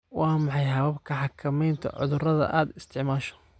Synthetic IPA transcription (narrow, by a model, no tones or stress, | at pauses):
wɑːmɑħɑjɦɐβɐbkʰɐħɑkʰːɐmɛjnt̪ʰɐ̰ʕʊ̰ðʊrɐðɐ̰ʔaːd̪ɪst̪ʰɪʕmaːʃɔ̥